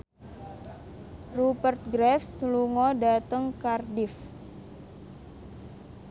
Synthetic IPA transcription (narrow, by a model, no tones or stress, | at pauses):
rupərt̪̚ɡɾɛfsluŋɔdat̪əŋkardɪf